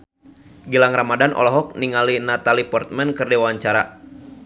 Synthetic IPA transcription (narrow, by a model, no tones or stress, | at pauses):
ɡilaŋramadanʔɔ̰lɔɦɔk̚niŋalinat̪alipɔrt̪̚mɛnkɨrdɛwawaɲt͡ʃaɾa̰